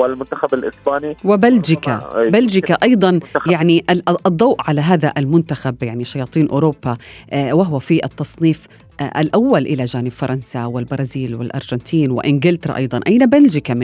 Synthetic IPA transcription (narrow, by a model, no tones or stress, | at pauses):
wɪlmʊnt̪axabalʔɪsbaːniwɪbald͡ʒɪka̰bald͡ʒɪkaʔɑjd̪ˤɑnjaʕniʔʔʔd̪ˤːɑwʔʕalaɦaːðaʔalmʊnt̪axabjaʕniʃɑjɑːt̪ˤiːnʔʊːɾoːpːawaɦwafiʔɪt̪ːɑsˤniːf | ʔalʔawːalʔɪlad͡ʒaːnɪbfɑɾˤɑnsawɪlbɑɾˤɑːziːlwɪ̰lʔɑ̰ɾˤʒɑnt̪ʰiːnwɪ̰ʔɪnɡɪlt̪ɑɾˤɑ̰ʔɑ̰jd̪ˤɑnʔajnabald͡ʒɪkam